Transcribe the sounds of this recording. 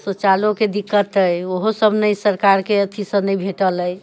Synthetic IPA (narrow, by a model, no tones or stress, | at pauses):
sət͡ʃaloked̪ikːət̪əjoɦosəbnəjsəɾkaɾkeət̪ʰisənəjbʱeʈələj